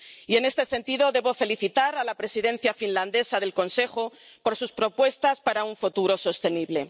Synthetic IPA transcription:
ie̞ne̞st̪e̞se̞nt̪iðo̞ðe̞βo̞fe̞liθit̪aɾalapɾe̞siðẽ̞n̟θjafinland̪e̞sað̞e̞lko̞nse̞xo̞po̞ɾsuspɾo̞pwe̞st̪aspaɾauɱfut̪uɾo̞so̞st̪e̞niβle̞

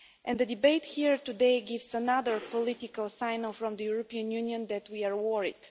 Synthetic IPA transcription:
ʔɛ̃nd̪əd̪ibeɪt̪hiɹtud̪eɪɡɪvsənaðəɹpɔlɪt̪ikəlˠsãɪ̃nfɾɔ̃md̪əjuɹɔpiə̃njuniə̃nd̪ɛt̪wiaɹwɔɹḭd̥

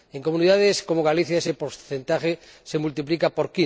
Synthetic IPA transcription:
eŋkomũniðaðeskomoɣ̞aliθjaesepoɾθent̪axesemult̪iplikapoɾki

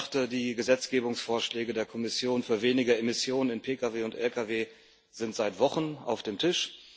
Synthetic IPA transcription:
χtədiːɡəzɛt͡sɡ̥eːbʊŋsfoːɐʃlɛːɡədeːɐkʰɔmɪsjoːnfyːɐveːnɪɡəemɪsjoːnənɪnpʰeːkaveːʊntʔɛlkʰaveː | z̥ɪntz̥aɪtv̥ɔχəna̰ʊfd̥eːmtʰɪʃ

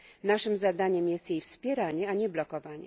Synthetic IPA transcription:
naʂɘmzad̪aɲɛmjɛst̪jejfspʲjɛɾaɲɛaɲɛblɔkɔvaɲɛ̰

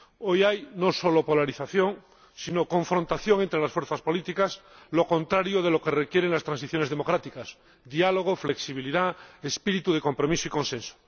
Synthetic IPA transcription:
ojajnoso̞lopolaɾiθaθjo̞ŋ | sinokõ̞ɱfɾont̪aθjoŋe̞nt̪ɾe̞lasfweɾθaspo̞lit̪ikasloko̞nt̪ɾaɾjoð̞e̞lo̞kerekje̞ɾeŋlast̪ɾansiθjo̞ne̞zðemo̞kɾat̪ikas | ðialoɣ̞ofle̞ksiβ̞iliðaespiɾit̪uðeko̞mpɾo̞misoikõ̞nsẽnso̥

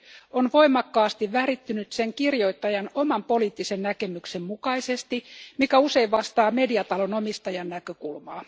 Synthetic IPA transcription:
onʋo̞imɑkːɑːst̪iʋʋærit̪ːynyt̪seŋkirjoit̪ːɑjɑnomɑmpo̞liːt̪ːisennækemyksemmukɑisest̪imikæuse̞iʋʋɑst̪ɑːme̞diɑt̪ɑlonomist̪ɑjɑnnækøkulmɑː

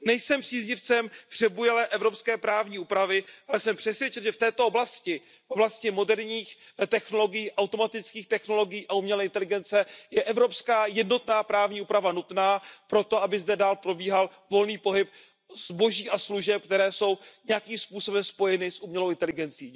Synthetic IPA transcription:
nɛjsɛmpr̥iːzɲɪft͡sɛmpr̝̥ɛbujɛlɛːʔɛvɾopskɛːpɾaːvɲiːuːpɾavɪʔalɛsɛmpr̥ɛsvjɛt͡ʃɛnʒɛft̪ɛːt̪ooblascɪ | fʔoblascɪmo̞dɛɾɲiːx | t̪ɛxno̞lo̞ɡɪjiːʔawt̪o̞mat̪ɪt͡skiːxt̪ɛxno̞lo̞ɡɪjiːʔaumɲɛlɛʔɪnt̪ɛlɪɡɛnt͡sɛjɛʔɛvɾo̞pskaːjɛdno̞t̪naːpɾaːvɲiːuːpɾavanut̪naːpɾo̞t̪oabɪzdɛdaːlpɾo̞biːɦalvo̞lniːpo̞ɦɪp̚ | z̥bo̞ʒiːʔasluʒɛp̚k̚t̪ɛɾɛːso̞wɲɛjakiːmspuːso̞bɛmspo̞jɛnɪsʔumɲɛlowɪnt̪ɛlɪɡɛnt͡siː

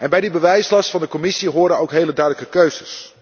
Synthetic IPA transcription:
ʔɛnbɛjdibəʋɛjslɑstfɑndəkomɪsiɦʊːɹdənowkɦejlədœɥdələkəkøɥzəs

